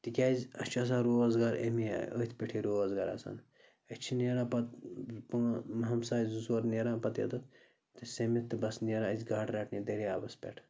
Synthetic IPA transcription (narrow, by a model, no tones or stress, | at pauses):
t̪ikʲaːzʲɐt͡ʃʰɐs̬aːɾoːɐzɡaːɾḛmḭə̰ːt̪ʲʰpʲeʈʰiɾoːɐzɡa̰ːɾɐ̰sa̰n | ɐt͡ʃʰineːɾaːpɐt̪̚pɐŋmɦɐmsaːzusɐɾneɾãːpɐt̪jɐ̰d̪ɐt̪ | t̪ɨsemit̪ːɨbɐsneɾãəzʲɡaːʈɾaːʈʰnʲid̪eɾiaːbɐspʲɛ̰ʈʰ